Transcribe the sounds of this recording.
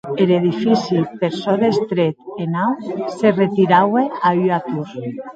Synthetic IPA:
eleðifisipeɾsɔðest̪ɾet̪enawseret̪iɾaweayat̪uɾ

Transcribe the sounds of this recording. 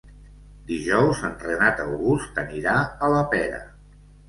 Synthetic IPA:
d̪iʒɔwzənt̪ɾənat̪əwɣust̪əniɾaələpɛɾə̰

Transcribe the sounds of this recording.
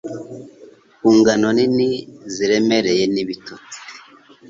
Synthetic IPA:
kuːŋɡano̞niniziɾe̞me̞ɾe̞je̞niβito

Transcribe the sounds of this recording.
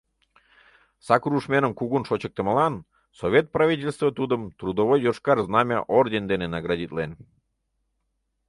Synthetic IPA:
sɑkɾuʃmʲenəmkuɣunʃot͡ɕə̆k̚t̪ə̆məlɑn | sovʲet̪̚prɑvʲitʲelʲst̪vət̪ud̪əmt̪rud̪ovojd̪oʃkɑrznɑmʲɑ̰ʔord̪ʲend̪enenɑɡrɑdʲit̪len

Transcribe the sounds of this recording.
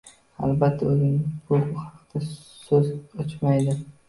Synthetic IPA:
a̰lbat̪ʰːaɵzɪŋbʊhɑ̥qd̪̥a | sɵzɒt͡ʃmajd̪ɪ

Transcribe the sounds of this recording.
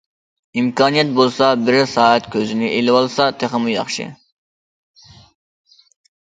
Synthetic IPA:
imkʰɑːnijɛt̪̚bolˠsɑbɪɾsɑːɛt̪kʲʰøzɪnɪʔelɪwɑlˠsɑt̪ʰeχəmujɑ̰χʃɪ̰

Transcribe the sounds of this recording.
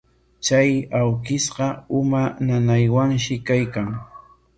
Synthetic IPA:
t͡ʃajawkɪsɢɑʊmananajwaŋʃɪkajkaŋ

